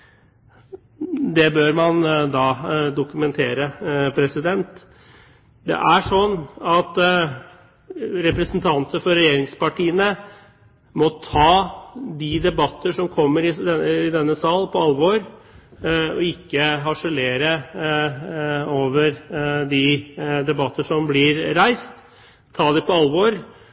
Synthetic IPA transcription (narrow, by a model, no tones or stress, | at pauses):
d̪ɛbøːɾmɑnd̪ɑːd̪ʊkʉmɛnt̪ʰeːɾəpʰɾɛsɪd̪ɛnt̪ | d̪ɛ̰ʔæʂɔnːɑt̪ | ɾɛpɾɛsnt̪ʰɑnt̪əfɔɾɛjeːɾɪŋspɑʈʰiːənə | mɔt̪ʰɑːd̪id̪ɛbɑt̪ːəʂɔmkʰɔmːəɾɪɛɪd̪ɛnːəsɑːl̩pʰɔɑlʋoɾ | ɔ̰ɪkːəɦɑʂəleːɾə | oːʋəɾd̪ɪd̪ɛbɑt̪ːəʂɔmblɪɾɾæɪst̪ʰː | ɑːd̪ɪpɔɑlʋoɾ